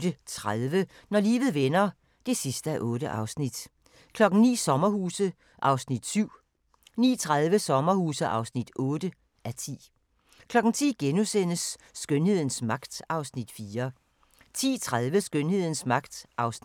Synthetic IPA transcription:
dət͡sʰʁaðˠʋə | nɒlḭːʋð̞̩ˠʋenɐ | d̥e̝sisd̥əæʔɔ̽ːɾəʔɑ̈ʊsnid̥ | kʰlɒ̽ɡ̥n̩nḭːsɒ̽mɐhuːsə | ʔɑ̈ʊsnid̥syʊ̰ | nḭːt͡sʰʁaðˠʋəsɒ̽mɐhuːsəʔɑ̈ʊsnid̥ɔːd̥ə | ʔæt͡sʰḭː | kʰlɒ̽ɡ̥n̩t͡sʰḭːɡ̥enusenəsːɡ̥ønhe̝ð̰ˠn̩smɑ̈ɡ̥d̥ɑ̈ʊsnid̥fiːɐ | t͡sʰḭːt͡sʰʁaðˠʋəsɡ̥ønhe̝ð̞̰ˠn̩smɑ̈ɡ̥d̥ʔɑ̈ʊs

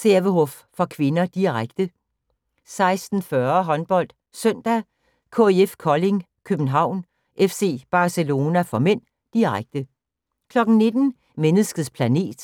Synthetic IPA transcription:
seɐʋəɦɔfːɒkʰʋe̝nɐd̥iʁaɡ̥d̥ə | sɑ̈ɪsd̥n̩fɶɐɦɒ̽nb̥ɒ̽l̰d̥ | sœn̰d̥æ | kʰo̝eefkʰɒ̽le̝ŋkʰøb̥n̩ɦɑ̈ʊ̰n | ʔefse̝̰ːb̥ɑ̈ːselo̝ːnæfɒmen̰ | d̥iʁaɡ̥̚d̥ə | kʰlɒ̽ɡ̥n̩ne̝d̥n̩ | menəsɡ̥ð̩ˠspʰlæne̝̰ːd̥

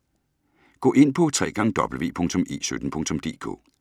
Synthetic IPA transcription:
ɡ̥ɔ̰̽ːʔe̝n̰pʰɒ̽t͡sʰʁɛ̰ːɡ̥ɑ̈ŋəd̥ɒ̽b̥l̩ʋe̝̰ːpʰɔ̽ŋ̰t͡sʰɔ̽me̝̰ːsød̥n̩pʰɔ̽ŋt͡sʰɔ̽md̥e̝̰ːkʰo̰ː

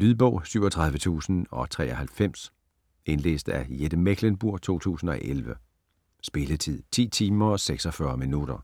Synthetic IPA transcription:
lyðˠb̥ɔ̽ʊ̰syʊ̰ɒt͡sʰʁɑ̈ð̞ˠʋət͡sʰṵːsn̩ɒ̽t͡sʰʁɛ̰ːɒ̽hælfem̰s | e̝nle̝̰ːsd̥æjed̥əmeɡ̥ʰlenb̥uɐ̰t͡sʰo̝̰ːt͡sʰṵːsn̩ɒ̽ʔelʋə | sb̥e̝lət͡sʰið̰ˠt͡sʰḭːt͡sʰiːmɐɒ̽seɡ̥sɒ̽fɶɐminuɾ̥ɐ

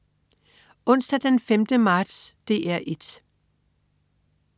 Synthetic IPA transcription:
ʔɔ̽n̰sd̥æd̥enfemd̥əmɑ̈ːd̥sd̥e̝ːæɐ̰ʔe̝d̥

